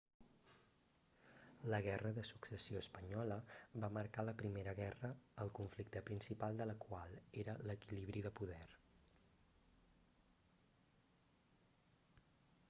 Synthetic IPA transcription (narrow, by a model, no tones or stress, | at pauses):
ləɣ̞ɛrəðəsuksəsioəspəɲɔləβaməɾkaləpɾimeɾəɣɛrəːlˠkuɱflik̚t̪əpɾinsipalˠd̪ələkwalˠeɾələkiliβ̞ɾiðəpuðɛr